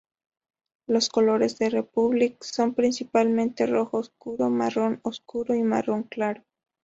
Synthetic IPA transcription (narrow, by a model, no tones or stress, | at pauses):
loskolo̞ɾezðerepuβlikso̞mpɾinsipalmẽnt̪eroxoskuɾomaronoskuɾoima̰roŋklaɾo